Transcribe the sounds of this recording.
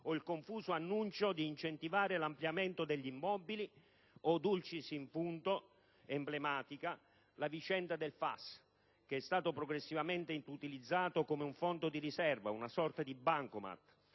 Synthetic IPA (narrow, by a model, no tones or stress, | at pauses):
oilkoɱfuːsoanːunt͡ʃod̪iːnt͡ʃent̪ivaːɾelampljament̪od̪eʎːimːɔbili | od̪ult͡ʃisiɱfunt̪o | emblemaːt̪ika | lavit͡ʃɛnd̪ad̪elfa̰s | k̟eɛst̪aːt̪opɾoɡɾesːivament̪ent̪ut̪ilid̪zːaːt̪okomeuɱfɔnd̪od̪iɾisɛrvaunasɔrt̪ad̪ibaŋkoma̰t̪